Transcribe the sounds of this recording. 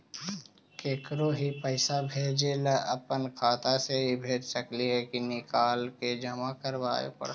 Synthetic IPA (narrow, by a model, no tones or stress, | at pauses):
keːkɾoɦipəɪsabʱeːd͡ʒelaʔəpənkʰaːt̪aseɦibʱeːd͡ʒsəkliɦɛkinɪkaːlked͡ʒəmakəɾʋaːḛpə̰ɽ